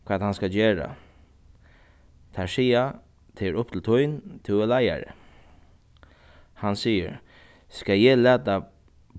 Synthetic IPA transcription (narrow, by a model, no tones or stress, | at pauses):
kʰvaːt̪hanskad͡ʒeːɾa̰ | t̪ʰasiːa | t̪ʰeɾʊp̚t̪ʰɪlt̪ʰʊjnt̪ʰɪɛlaja̰ɾə̰ | hansiːə̰ɾ | skajɛlæːt̪a